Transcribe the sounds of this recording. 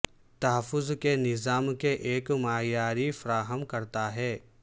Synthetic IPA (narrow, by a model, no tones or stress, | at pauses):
t̪ɐɦəfːʊzkenɪzaːmkeʔeːkmaːjaːɾifɐɾaːɦəmkɐɾt̪aɦɛː